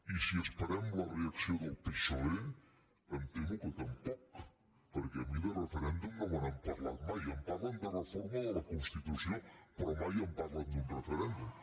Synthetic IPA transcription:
isiespeɾemaβɾiake̥siðapisoeŋ | ent̪emoket̪empok | poɾkeamiðerefeɾend̪umnoβanampaβlaɾmajampaðand̪erefoɾmaðelakonst̪it̪usjoŋpeɾomajampaðland̪unrefeɾend̪um

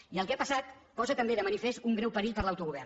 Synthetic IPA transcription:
iəlˠkɛapəsat̪pɔzət̪əmbeðəmənifest̪uŋɡɾɛwpəɾiʎpəɾləwt̪uɣuβ̞ɛr

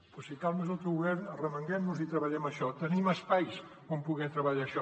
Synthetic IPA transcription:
pɔsikalˠnezalˠt̪uβɛɾrəməŋɡɛmnuzit̪ɾəβəʎɛməʃɔt̪əniməspajs | kompuɣɛt̪ɾəβəʎaːʃɔ

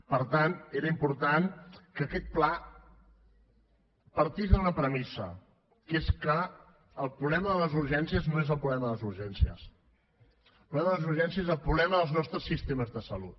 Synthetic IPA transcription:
pəɾt̪ant̪eɾəimpuɾt̪ankəːkɛt̪̚pla | pəɾt̪izðunəpɾəmizə̰ | keskəː | lˠpɾuβlɛməðələzuɾʒɛnsiəznoezəlˠpɾuβlɛməðələzuɾʒɛnsiə̰s | pɾulɛməðələzuɾʒɛnsiəzezəlˠpɾuβlɛməðəlˠznɔst̪ɾəsːist̪eməzðəsəlut̪̚

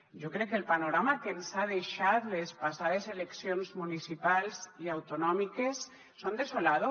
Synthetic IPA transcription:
ʒokɾɛkːelpanoɾamakensaðeʃat̪lespasaðeseleksjonzmunisipalˠziawt̪onɔmikesː | ond̪esolaðo

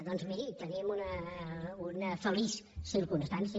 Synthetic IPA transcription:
ðɔnzmiɾit̪əniəmunə | unəfəlisːiɾkunst̪ansiə

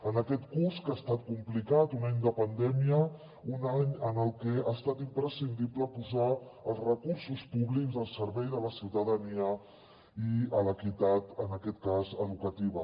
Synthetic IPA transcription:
ənəkɛt̪kuskast̪at̪̚kumplikat̪unaɲd̪əpənd̪ɛmiə | unaɲənəlˠkɛʔast̪at̪impɾəsind̪ipləpuzaəlˠzrəkuɾsuspuβlikzd̪əlˠsəɾβɛjðələsiwt̪əðəniə | iələkit̪at̪ənəkɛt̪̚kazəðukət̪iβə

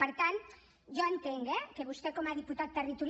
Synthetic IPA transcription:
pəɾt̪an | ʒɔent̪eŋɡɛkeβust̪ɛkɔmaðiput̪at̪ːərit̪uɾ

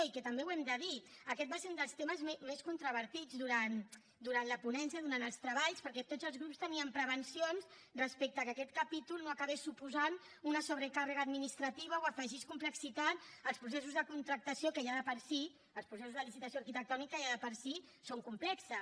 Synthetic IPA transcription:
ikət̪əmbewɛmd̪əðiəkɛt̪̚baseund̪əlˠst̪eməzmeskunt̪ɾəβəɾt̪id͡zðuɾan | d̪uɾanləpunɛnsiəðuɾant̪əlˠst̪ɾəβaʎspəɾkɛt̪od͡zəlˠzɣɾupst̪əniəmpɾəβ̞ənsions | rəspɛk̚t̪əkakɛt̪kapit̪ulˠnoakaβɛsːupuzan | unəsoβɾəkarəɣəːd̪minist̪ɾət̪iβəoəfəʒiʃkumpləksit̪at̪əlˠspɾuses̬uzðəkunt̪ɾək̚t̪əsijokəjaðəpəɾsi | əlˠspɾusesuzðəlisit̪əsjoaɾkit̪ək̚t̪ɔnikəjaðəpəɾsi | soŋkumplɛksə

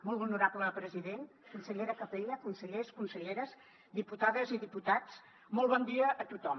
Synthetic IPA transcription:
mɔlˠulˠnuɾapləpɾəziðen | kunsəʎeɾəkəpeʎəkunsəʎeskunsəʎeɾəz | d̪iput̪aðəziðiput̪at͡s | mɔlˠβ̞ɔnd̪iəʔːt̪ut̪ɔm

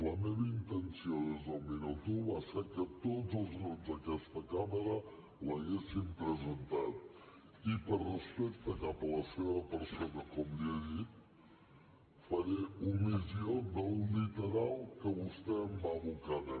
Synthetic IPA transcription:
ləmeβəint̪ənsioezəlˠminot̪uβasekət̪ozəlˠznunzdəkɛst̪əkaməɾə | ləɣesimpɾəzənt̪at̪̚ | ipəɾrəspek̚t̪əkapələseβəpəɾsonəkɔmʎəʒi | fəɾeuβiziod̪əunlit̪əɾalˠkəβust̪ɛəmbaβukanɛ

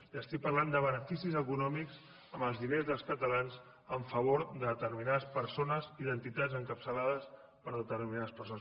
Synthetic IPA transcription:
iəst̪ik̚pərland̪əβ̞ənəfisizəkunɔmikz | əməlˠzðiβezðəlˠskət̪əlanz | əɱfəβ̞oɾd̪əðət̪əɾminaðəspəɾsonəziðənt̪it̪azəŋkəpsəlaðəs | pəɾðət̪əɾminaðəspərsonə

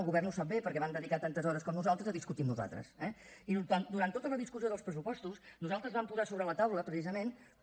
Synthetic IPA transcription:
lˠɣuβɛrnusap̚bepəɾkɛβand̪əðikat̪ant̪əzɔɾəskɔmnuzalˠt̪ɾəzəðiskut̪imnuza̰lˠt̪ɾə̰sɛiud̪uɾant̪ːot̪ələðiskuzioðəlˠspɾəs̬upɔst̪usnuzalˠt̪ɾəzβampuzasoβɾələt̪awləpɾəsizəmen

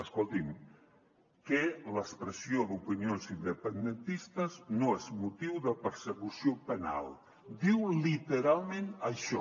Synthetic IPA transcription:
əskolˠt̪im | keləspɾəsiod̪upinionzind̪əpənd̪ənt̪ist̪əznoezmut̪iwðəpəɾsəkusiopəna̰lˠ | d̪iwlit̪əɾalˠmenəʃɔ

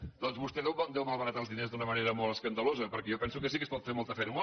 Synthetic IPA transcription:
d̪̥ɔnzβust̪ɛðewβand̪ɛwmalˠβɾat̪əlˠzðinezd̪unəməneɾəmɔlˠəskənd̪əlozəpəɾkɛjɔpɛnsukəs̬ikəspɔt̪feɾmɔlˠt̪əfɛɾmə

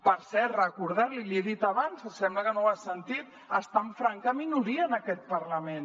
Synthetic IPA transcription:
pəɾsɛɾrəkuɾð̞aɾlilieðit̪aβanssɛmbləkənoasənt̪it̪̚ | əst̪aɱfɾaŋkəminuɾiəːnəkɛt̪̚pəɾləmen

